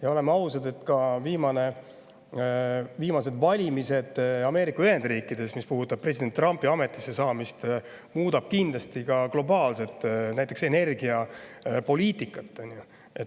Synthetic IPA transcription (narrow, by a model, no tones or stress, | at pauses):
jɑo̞le̞meɑwsɑd̪e̞t̪ːkɑviːmɑne̞ | viːmɑse̞d̪vɑlʲimise̞d̪̥ɑme̞ːɾikːɑyhe̞nd̪riːkːˑid̪̥e̞smispuɦut̪ːˑɑb̥̚pːre̞s̬ʲid̪ent̪ːrɑmpːˑiɑme̞t̪ːˑisːe̞sɑːmist̪ | muːd̪ɑb̥̚kind̪lɑst̪ikɑklo̞bɑːlse̞t̪ːˑnæjt̪ːˑe̞kse̞ne̞rɡiɑpo̞lʲiːt̪ːˑikːˑɑt̪ˑːɑnʲju | et̪